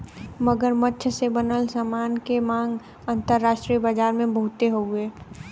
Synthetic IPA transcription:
məɡəɾmətːʃʰsebənəlsamaːnkemãːŋɡ | ə̃nt̪əɾːaːʃʈɾijəbaːd͡ʒaːɾmẽbəɦʊt̪eɦoːɡeː

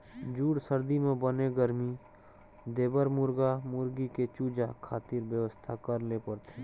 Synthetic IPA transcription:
d͡ʒuːɽsəɾd̪imẽbəneɡəɾmi | d̪eːbəɾmʊɾɡamʊɾɡiket͡ʃuːd͡ʒakʰaːt̪iɾbjəʋəst̪ʰakəɾlepəɾt̪ʰe

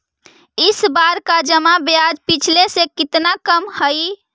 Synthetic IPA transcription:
isbaɾkad͡ʒəmabjad͡ʒpit͡ʃʰlesẽkit̪nakəmhəj

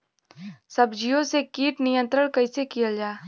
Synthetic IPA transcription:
sɐbd͡ʒijõsekiːʈnɪjə̃nt̪ɾəɽ̃kɐisekijəd͡ʒaː

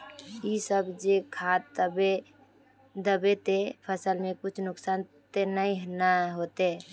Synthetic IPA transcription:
isəbd͡ʒekʰat̪ːəbe | d̪əbet̪epʰəsəlmẽkut͡ʃʰnʊksant̪enəĩɦnəɦot̪e

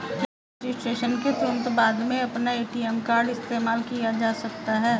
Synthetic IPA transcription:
d͡ʒ | d͡ʒɪsʈɾeːʃənket̪ɾʊnt̪baːd̪mẽɐpnaeːʈiɛmkaːɾɖɪst̪eːmaːlkijad͡ʒaːsɐk̚t̪aɦɛː

